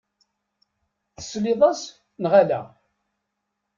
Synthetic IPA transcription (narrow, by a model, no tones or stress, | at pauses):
θə̥slɪðˤɑs | nʁalæ̰